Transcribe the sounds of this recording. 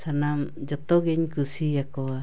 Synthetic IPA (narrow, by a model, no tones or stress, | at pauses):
sanamd͡ʒot̪oɡeɲkusijakoa